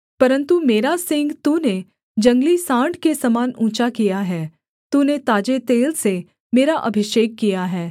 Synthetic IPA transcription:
pɐɾə̃nt̪umeːɾasɪ̃ŋɡt̪uːne | d͡ʒɐ̃ŋɡlisãːɳɖkesɐmaːnũːt͡ʃakijaɦɛː | t̪uːnet̪aːd͡ʒet̪eːlse | meːɾaʔɐbʱɪʃeːkːijaɦɛː

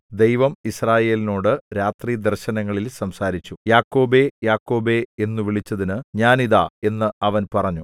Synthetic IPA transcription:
d̪e̞jʋɐmisraːje̞ːlino̞ːɽɨɾaːt̪riːd̪ɐrɕɐnɐŋːɐɭilsɐmsaːɾit͡ɕːujaːkːo̞ːbe̞jaːkːo̞ːbe̞e̞nːuʋiɭit͡ɕːɐðinɨɲaːniða̰ːe̞nːɨɐʋɐnpɐrɐɲːu

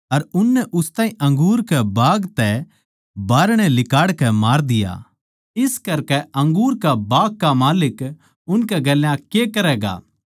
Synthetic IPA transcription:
ɐɾʊnːɛʔʊst̪aːĩʔɐ̃ŋɡuːɾkɛbaːɡt̪ɛ | baːɾɽ̃ɛlɪkaːɽkɛmaːɾd̪ɪja̰ː | ɪskɐɾkɛɐ̃ŋɡuːɾkabaːɡ̚kamaːlɪk | ʊnkɛɡɛljãkekɐɾɛːɡa̰ː

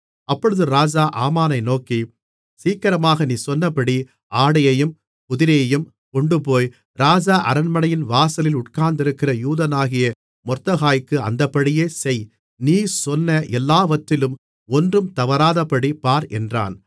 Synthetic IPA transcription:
ɐpːɔɻɯðɯɾaːd͡ʒaːʔaːmaːnɐɪnoːki | siːkːɐɾɐmaːɣɐniːsɔnːɐpːɐɽi | ʔaːɽɐjɐjɯm | pʊðɪɾɐjɐjɯm | kɔɳɖɯp̬oːj | ɾaːd͡ʒaːʔɐɾɐnmɐnɐjɪnʋaːsɐlɪlʊʈkaːnd̪ɪɾɯkːɪrɐjuːðɐnaːɣɪjɐ | mɔɾt̪ɐɣaːjkːɯɐ̰nd̪ɐpːɐɽɪjeːsɛj | niːsɔnːɐʔɛlːaːʋɐt̪ːɪlɯm | ɔndrɯmt̪ɐʋɐɾaːðɐpːɐɽipaːɾɛ̰ndra̰ːn

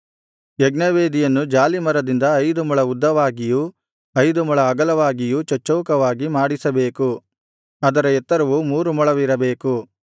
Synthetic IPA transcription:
jeɡnɐʋeːd̪ijɐnːud͡ʒaːlimɐɾɐd̪ind̪ɐːjd̪umuɭɐud̪ːɐʋaːɡiju | ɐjd̪umuɭɐːɡɐlɐʋaːɡijut͡ʃɐt͡ʃːɐʋkɐʋaːɡimaːɽisɐbe̞ːku | ɐd̪ɐɾɐɛt̪ːɐɾɐʋumuːɾumɐɭɐʋiɾɐbeːku

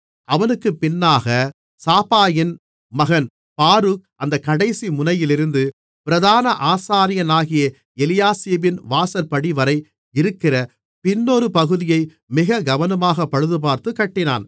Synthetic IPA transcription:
ɐʋɐnɯkːɯpɪnːaːɣɐ | saːpaːjɪn | mɐɣɐn | paːɾɯk̚ʔɐnd̪ɐkːɐɽɐɪsimʊnɐjɪlɪɾɯnd̪ɯ | pɪɾɐðaːnɐʔaːsaːɾɪjɐnaːɣɪjɐ | ɛlɪjaːseːbɪnʋaːsɐɾpɐɽiʋɐɾɐɪ | ɪɾɯkːɪrɐ | pɪnːoːɾɯpɐɣɯðɪjɐɪ | mɪɣɐɡɐʋɐnɐmaːɣɐpːɐɻɯðɯp̬aːɾt̪ɯkɐʈːɪna̰ːn

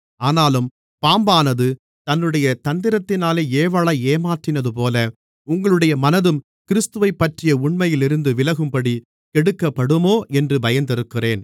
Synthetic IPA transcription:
aːnaːlɯm | paːmbaːnɐðɯ | t̪ɐnːɯɽɐjɐt̪ɐnd̪ɪɾɐt̪ːɪnaːleːeːʋɐɭɐeːmaːʈrɪnɐðɯpoːlɐ | ʊŋɡɐɭɯɽɐjɐmɐnɐðɯm | kɪɾɪst̪ɯʋɐɪpːɐʈrɪjɐʊɳmɐjɪlɪɾɯnd̪ɯʋɪlɐɣɯmpɐɽi | kɛɽɯkːɐpːɐɽɯmoːʔɛndrɯbɐjɐnd̪ɪɾɯkːɪreːn

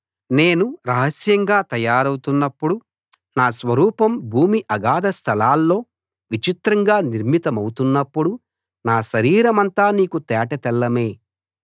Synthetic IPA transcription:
ne̞ːnuɾɐɦɐsjɐŋɡaːt̪ɐjaːɾɐwut̪unːɐpːuɽu | naːsʋɐɾuːpɐmbʱuːmiʔɐɡaːd̪ɐst̪ʰɐlaːlːo̞ː | ʋit͡ʃit̪ɾɐŋɡaːniɾmit̪ɐmɐwut̪unːɐpːuɽu | naːʃɐɾiːɾɐmɐnt̪aːniːkut̪ɛːʈɐt̪ɛlːɐme̞ː

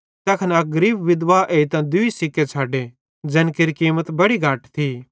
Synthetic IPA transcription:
t̪ɐkʰnɐɡɐɾiːbʋɪd̪ʋaʔeːit̪ãd̪ʊisɪkːet͡ʃʰaːɖe | d͡ʒɛ̃nkeɾikiːmət̪bɐɽiɡʱaːʈt̪ʰi

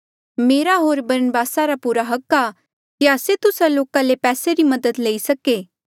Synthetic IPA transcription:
meːɾaɦoːɾbɐɾənbaːsaɾapuːɾaɦɐkːa | kiaːset̪ʊsaloːkãlepɛːseɾimɐd̪əd̪leːisɐkeː

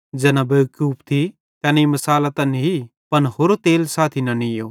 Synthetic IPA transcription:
d͡ʒɛːnabejukjuːpt̪ʰi | kɐnɛimɐsaːlat̪ɐni | pɐnɦoːɾot̪eːlsaːt̪ʰinɐnijo̰ː

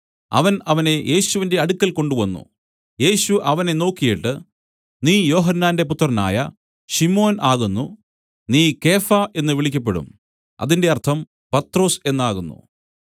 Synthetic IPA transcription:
ɐ̰ʋɐnɐʋɐne̞je̞ːɕuʋinde̞ɐɽukʲːɐlko̞ɳɖuʋɐnːṵ | je̞ːɕuʔɐʋɐne̞no̞ːkːijiʈːɨ | niːjo̞ːɦɐnːaːnde̞put̪ːɐrɐna̰ːjɐ̰ | ɕimo̞ːnaːɣunːu | niːke̞ːfɐʔe̞nːɨʋiɭikʲːɐp̬ːe̞ɽṵm | ɐ̰ðinde̞ɐrt̪ʰɐm | pɐt̪ːro̞ːse̞nːaːɣunːṵ

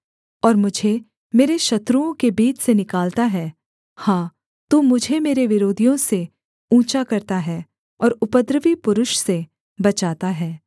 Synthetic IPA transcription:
ɔːɾmʊd͡ʒʱe | meːɾeʃɐt̪ɾuõkebiːt͡ʃʰsenɪkaːlt̪aɦɛː | hãː | t̪umʊd͡ʒʱemeːɾeʋɪɾoːd̪ʱijõse | ũːt͡ʃakɐɾt̪aɦɛː | ɔːɾʊpəd̪ɾəʋipʊɾʊʃse | bɐt͡ʃaːt̪aɦɛː

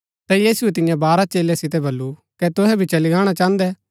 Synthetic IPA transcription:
t̪ɛjiːsʊɛt̪̬ɪjãbaːɾat͡ʃeːljasɪt̪̬ɛbɐlːukɛt̪ʊɦɛbʱit͡ʃɐliɡaːɽ̃at͡ʃãːə̃nd̪ɛː

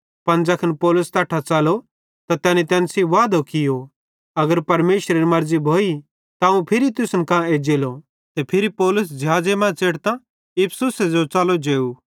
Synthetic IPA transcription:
pɐnd͡ʒɐkʰənpɔːlʊst̪aːʈʰat͡saːlo | t̪at̪ɛːnit̪ɛ̃ːnsiʋaːd̪okɪjo | ɐɡəɾpɐɾmeːʃɾeɾimɐɾzibʱoːi | t̪aũpʰɪɾit̪ʊsnkãed͡ʒeːlo | t̪epʰɪɾipoːlʊs̬d͡ʒjaːd͡ʒemãːt͡seːɽt̪ã | ɪpʰsʊsed͡ʒot͡ʃalod͡ʒeːu

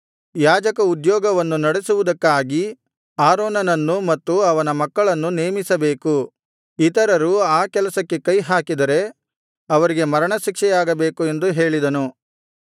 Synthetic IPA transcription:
jaːd͡ʒɐkɐud̪jɔːɡɐʋɐnːunɐɽesuʋud̪ɐkːaːɡi | aːɾoːnɐnɐnːumɐt̪ːuɐʋɐnɐmɐkːɐɭɐnːuneːmisɐbe̞ːku | it̪ɐɾɐɾuaːkɛlɐsɐkːe̞kɐjɦaːkid̪ɐɾe̞ | ɐʋɐɾiɡe̞mɐɾɐɳɐʃikʂɛjaːɡɐbe̞ːkue̞nd̪uɦe̞ːɭid̪ɐnu

